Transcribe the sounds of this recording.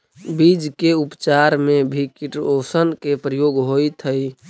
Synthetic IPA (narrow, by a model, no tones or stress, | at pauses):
bid͡ʒkeupt͡ʃaɾmebʱikiʈosənkepɾəjoɡɦoit̪ʰəj